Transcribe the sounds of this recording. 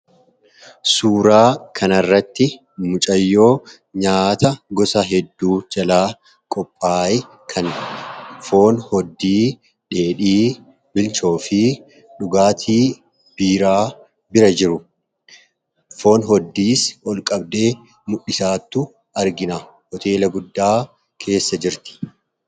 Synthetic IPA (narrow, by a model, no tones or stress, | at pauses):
suːɾaːkʰɐnɐrːɐt̪ːɪ | mʊt͡ʃʼɐjːo̞ː | ɲaːt̪ɐɡɔsɐɦɛd̪ːuːd͡ʒɐlaː | kʼɔpʼːaːj | kʰɐn | fo̞ːnhɔd̪ːiː | ᶑe̞ːᶑiː | bɪlt͡ʃo̞ːfɪ | ᶑʊɡaːt̪ʰiː | b̥iːɾaː | bɪɾɐd͡ʒɪɾʊ | fo̞ːnɦɔd̪ːiːsɔlkʼɐbd̪e̞ː | mʊɗːɪsaːt̪ːʊ | ɐɾɡɪnɐ | hɔt̪e̞ːlɐɡʊd̪ːaː | kʰe̞ːsːɐd͡ʒɪɾt̪ɪ̥